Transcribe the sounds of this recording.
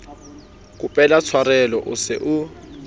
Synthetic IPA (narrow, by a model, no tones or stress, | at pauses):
k̬ʼʊpʼɛlat͡sʰwaɾɛlɔʔʊsɪʔʊ